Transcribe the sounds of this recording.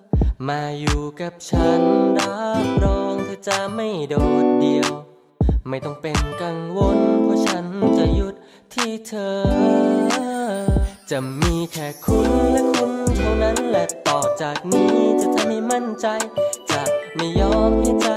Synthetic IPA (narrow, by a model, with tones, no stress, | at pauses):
maː˧juː˨˩ka˨˩p̚t͡ɕʰa˦˥nɾa˦˥p̚ɾɔː˧˥ŋt̪ʰiː˧˩t͡ɕa˨˩ma˥˩jdoː˨˩t̪̚di˨˧əw | ma˥˩jt̪ɔ˥˩ŋpe˧nka˧ŋwo˧npʰɔː˧˥˩t͡ɕʰa˦˥nt͡ɕa˧˩ju˦˥t̪̚ʰːiː˥˩t̪ʰɤː˧ | t͡ɕa˨˩miː˧kʰɛː˨˩kʰu˧nlɛ˦˧˥kʰu˧nt̪ʰa˥˩wna˦˥nlɛ˧t̪ɔː˨˩k̚t͡ɕaː˨˩k̚niː˦˥t͡ɕa˨˧˩t͡ɕa˧˥˩ha˥˩jma˥˩nt͡ɕa˧jt͡ɕa˨˩ma˥˧˩jjɔː˧˥mha˥˩t͡ɕa˧